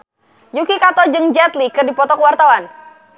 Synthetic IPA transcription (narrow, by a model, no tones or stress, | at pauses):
jukikat̪ɔd͡ʒɨŋd͡ʒɛt̪likɨrdipɔt̪ɔkəwart̪awan